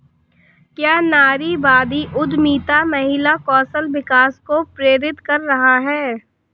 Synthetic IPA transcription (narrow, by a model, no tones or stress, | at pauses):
kjaːnaːɾibaːd̪iʔʊd̪miːt̪amɐɦɪlakɔːsəlʋɪkaːskopɾeːɾɪt̪kɐɾːɐɦaɦɛː